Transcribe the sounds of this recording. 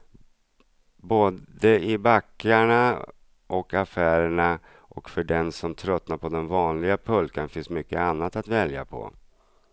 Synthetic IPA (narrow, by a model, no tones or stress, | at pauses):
boːd̪əɪbakːaɳa | ʔɔkafæːɾəɳa | ʔɔkfœɖɛnsɔmt̪ʰɾœt̪ːnaɾpʰɔd̪ɛnvɑːnlɪɡapʰɵlkənfɪnsmʏkːəanːat̪at̪vɛlja̰pʰɔ̰